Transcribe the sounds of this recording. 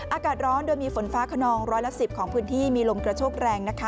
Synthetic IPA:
ʔaː˧kaː˨˩t̪̚ɾɔː˦˥ndoː˧jmiː˧fo˩˦nfaː˦˥kʰa˧nɔː˧ŋɾɔː˦˥jla˦˥ʔsi˨˩p̚kʰɔː˩˦ŋpʰɯː˦˥nt̪ʰiː˥˩miː˧lo˧mkɾa˧t͡ɕʰoː˥˩k̚ɾɛː˧ŋna˦˥kʰa˦˥

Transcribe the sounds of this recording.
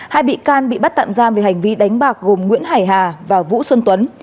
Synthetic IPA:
haː˧jɓḭ˧˨kaː˧nɓḭ˧˨ɓa˦˥t̚t̪a̰ː˧˨mzaː˧mve˨˩ha˨˩jŋ̟vi˧ɗa˨˦jŋ̟ɓaː˨˩k̚ɣo˨˩mŋwḭ˧˥ənhaː˨˩jɦaː˨˩vaː˨˩vṵ˧˥swə˧nt̪wə˨˦n

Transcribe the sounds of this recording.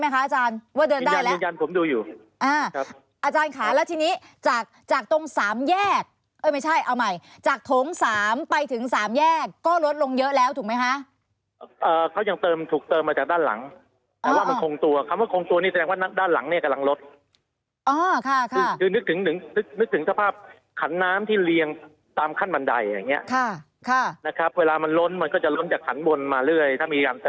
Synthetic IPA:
ma˦˥jkʰa˦˥ʔaː˧t͡ɕaː˧nwaː˥˩dɤː˧ndaː˥a˧˨lɛ˧ja˧npʰo˩˦mduː˧juː˨˩ | ʔaː˧˩kʰa˦˥ | ʔaː˧t͡ɕaː˧nkʰaː˩˦lɛː˦˥wt̪ʰiː˧niː˦˥ | t͡ɕaː˨˩k̚t͡ɕaː˨˩k̚t̪o˧ŋsaː˩˦mjɛː˥˩k̚ | ʔɤː˧˩jma˥˩jt͡ɕʰa˥˩jʔa˧wma˧˩j | t͡ɕaː˨˩k̚t̪ʰo˨˦ŋsaː˩˦mpa˧jt̪ʰɯ˩˦ŋsaː˩˦mjɛː˥˩kːɔː˥˩lo˦˥t̪̚lo˧ŋjɤ˦˥ʔlɛː˦˥wt̪ʰuː˨˩ma˦˥jkʰa˦˥ʔ | ʔɤː˨˩kʰa˦˥wja˧ŋt̪ɤː˧mt̪ʰuː˨˩k̚t̪ɤː˧mːaː˧t͡ɕaː˨˩k̚daː˥˩nla̰˩˦ŋ | t̪ʔɛ˦˧waː˥˩ma˧˥˩kʰo˧ŋt̪u˧ɐkʰa˧˥˩ma˥˩kʰoː˧ŋt̪u˧ɐniː˥˩sa˧dɛː˧ŋwaː˥˩na˦˥daː˥˩nla̰˨˩˦ŋni˥˩ɐka˧mla˧ŋlo˦˥t̪̚ | ʔɔː˧˩kʰa˥˩kʰkʰɯː˧nɯ˦˥k̚t̪ʰɯ˩˦ŋt̪ɯ˩˦ŋnɯ˦˥k̚nɯ˦˥k̚t̪ʰɯ˩˦ŋsʰa˧pʰaː˥˩p̚ | kʰa˩˦nːaː˦˥mt̪ʰiː˥˩li˧əŋ | t̪aː˧mkʰa˥˩nba˧nda˧jːa̰ː˨˩ŋːi˦˥ɐʔkʰa˥˩ | kʰa˥˩na˦˥kʰa˦˥p̚weː˧laː˧ma˧nlo˦˥nma˧nkɔː˥˩t͡ɕa˨˩lo˦˥nt͡ɕaː˨˩kʰːa˩˦nbo˧nmaː˧ɾɯ˥˩əjt̪ʰaː˥˩miː˧kaː˧nt̪ɤː

